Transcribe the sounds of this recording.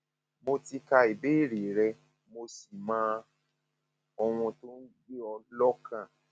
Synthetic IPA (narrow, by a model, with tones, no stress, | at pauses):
mo˧ti˧ka˧i˨be˦i˦˨ɾi˨ɾɛ˧ | mo˧si˨mãː˨˦ | ɔ˧w̃ɔ̃˧to˦n̩˦ɡ͡be˦ɔ˧lɔ˦kã˦˨